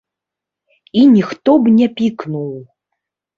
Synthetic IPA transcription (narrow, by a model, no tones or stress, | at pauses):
inʲixt̪ɔbnʲɛpʲiknuw